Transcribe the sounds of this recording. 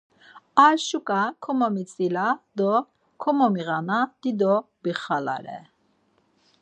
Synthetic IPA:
aʃukʼakʰɔmɔmit͡sʼilad̪ɔ | kʰɔmɔmiʁanad̪̥id̪ɔbiχala̰ɾɛ̰

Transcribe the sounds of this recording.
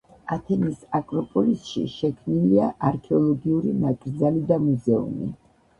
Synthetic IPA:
at̪ʰɛnisakʼɾɔpʼɔlisʃḭʃɛkʰmniliaʔaɾkʰɛɔlˠɔɡiuɾinaɡʼɾd̪zalid̪amuzɛṵmḭ

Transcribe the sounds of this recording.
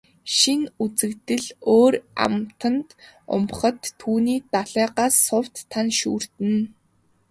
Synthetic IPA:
ʃinut͡sɘ̆kt̪ɘ̆ɮoːɾa̰mt̪ə̆nt̪ʊ̰mχə̆t̪ʰːuːniːt̪aɮæːɢaːsːʊwt̪ʰːanʃuːr̥t̪ɘ̆n

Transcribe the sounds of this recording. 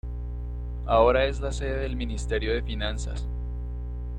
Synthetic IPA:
ao̞ɾae̞zlase̞ðeðelminist̪e̞ɾjo̞ðe̞finansa̰s

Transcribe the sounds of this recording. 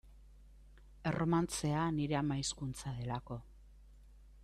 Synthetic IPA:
e̞rʔo̞mant͡se̞aniɾe̞amaiskunt͡saðe̞lako̞

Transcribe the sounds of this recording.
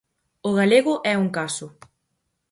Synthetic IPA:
ʊɣaleɣʊʔɛuŋkasʊ

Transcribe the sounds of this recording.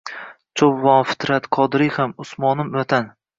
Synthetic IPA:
t͡ʃʰowːɒnfɪ̥t̪ʰɾat̪qʰɒd̪ɾɪhamʊsmɒnɪmat̪ʰan

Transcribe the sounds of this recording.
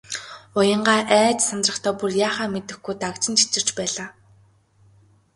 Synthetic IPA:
ʊjə̆ɴɢaːʔæːt͡ɕsant̪rə̆χt̪ʰœːpurjaːχaːmet̪ɘ̆xɡujt̪akt͡ɕɪ̆nt͡ɕʰi̥t͡sɪ̆r̥t͡ɕpæːɮaː

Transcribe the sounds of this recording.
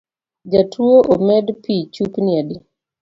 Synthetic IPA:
d͡ʒatʰuoʔomɛdpit͡ʃupniadi

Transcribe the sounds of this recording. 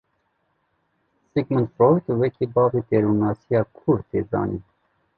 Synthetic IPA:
siɡmənt̪foɾt̪wɛkʰiːbɑːvit̪eɾunɑːsijɑːkʰuɾt̪ʰḛːzɑ̰ːnḭː

